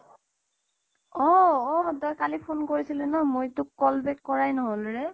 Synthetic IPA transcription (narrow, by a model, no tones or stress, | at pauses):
ɔɔtɔjkalipʰonkoɹisilɛnɔmojtʊkːɔlbɛkːɔɹajnɔɦolɹɛ